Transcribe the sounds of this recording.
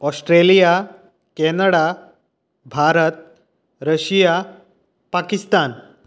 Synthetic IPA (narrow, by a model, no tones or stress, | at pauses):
ɔsʈɾelija | kɛnəɽa | bʱaɾət̪̚ | ɾəɕija | pakist̪an